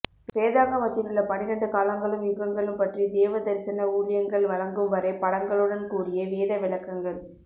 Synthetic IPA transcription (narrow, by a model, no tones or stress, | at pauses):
ʋeːðaːɣɐmɐt̪ːɪlɯɭːɐpɐnɪɾɐɳɖɯkaːlɐŋɡɐɭɯmjʊɣɐŋɡɐɭɯmpɐʈrid̪eːʋɐd̪ɐɾsɐɪnɐuːɭɪjɐŋɡɐɭʋɐɭɐŋɡɯmʋɐɾɐɪpɐɽɐŋɡɐɭɯɽɐnkuːɽɪjɐʋeːðɐʋɪɭɐkːɐŋɡɐɭ